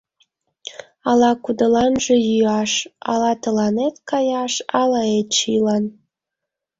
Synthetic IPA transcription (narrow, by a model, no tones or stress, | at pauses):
ɑlɑkud̪əlɑnʒejyɑʃɑ̰lɑt̪ə̆lɑnet̪kɑjɑʃɑlɑet̪ʃilɑn